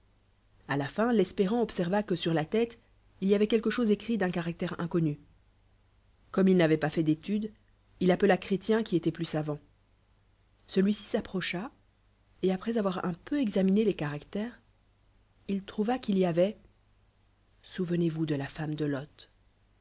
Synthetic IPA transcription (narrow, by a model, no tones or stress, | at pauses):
alafɛ̃lɛspeʁɑ̃ɔpsɛʁvakəsyʁlat̪ɛt̪ | iliavɛkʲɛlkəʃozekχid̪ɛ̃kaʁak̚t̪ɛʁɛ̰̃kɔny | kɔmilnavɛpafɛd̪et̪yd̪ | ilapəlakχet̪jɛ̃kʲiet̪ɛplysavɑ̃ | səlɥisi̥sapχɔʃa | eapχɛzavwaʁɛ̰̃pøɛɡzaminelekaʁakt̪ɛːʁ | ilt̪χuvakiliavɛ | suvənevud̪əlafamd̪əlɔt̪